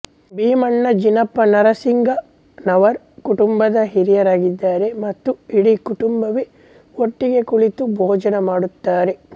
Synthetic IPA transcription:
biːmɐɳːɐd͡ʒinɐpːɐnɐɾɐsiŋɡɐ | nɐʋɐɾ | kuʈumbɐd̪ɐɦiɾijɐɾaːɡid̪ːaːɾe̞mɐt̪ːuiɽikuʈumbɐʋe | oʈːiɡe̞kuɭit̪ubʱɔːd͡ʒɐnɐmaːɽut̪ːaːɾe̞

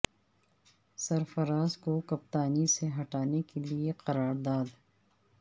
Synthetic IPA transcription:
sɐɾfɐɾaːzkokɐpt̪aːniseɦɐʈaːnekelieqɐɾaːɾd̪aːd̪

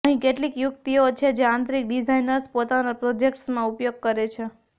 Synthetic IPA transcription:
əɦĩkeʈlikjukt̪iot͡ʃʰed͡ʒeãnt̪ɾik̚ɖid͡ʒajnəɾspot̪anapɾod͡ʒek̚ʈsmãupjoɡ̚kəɾet͡ʃʰe

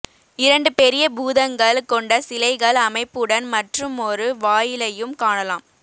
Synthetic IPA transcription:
ɪɾɐɳɖɯpɛɾɪjɐbuːðɐŋɡɐɭkɔɳɖɐsɪlɐɪɣɐɭɐmɐɪpːɯɽɐnmɐʈrɯmɔɾɯʋaːjɪlɐjɯmkaːɳɐlaːm

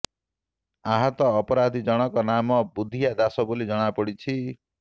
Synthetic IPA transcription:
aɦɔt̪ɔːpɔɾad̪ʱid͡ʒɔɽ̃ɔkɔnamɔbud̪ʱːijad̪asɔbolid͡ʒɔɽ̃apɔɽit͡ʃʰi

